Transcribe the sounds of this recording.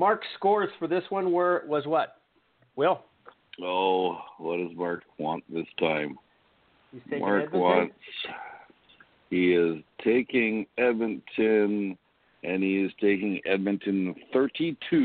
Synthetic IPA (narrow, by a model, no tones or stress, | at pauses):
mɑɹkskɔɹz̥fə˞ðɪswʌ̃nwə˞wʌzwʌt̚ | wɛlˠ | oʊwʌt̚d̥ʌzmɑɹkwɑ̃nðɪstʰãɪ̃m | iz̥eɪmʔɑɹwɑ̃nts | hiɪz̥tʰeɪkɪ̃ŋɛd̚mɨ̃ntʰɪ̃n | ʔɨ̃niɪz̥tʰeɪkɪ̃ŋɛd̚mɨ̃ntʰɨ̃nθɜ˞ɾitʰʉ